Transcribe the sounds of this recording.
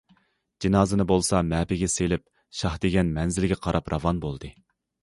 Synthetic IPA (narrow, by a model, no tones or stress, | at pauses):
d͡ʒinɑːzɨnɨbolˠsɑmɛːpɪɡʲɛselɪp̚ | ʃɑhd̪eɡʲɛnmɛnzɪlɡʲɛqʰɑɾɑpɾɑvɑnbolˠd̪ɨ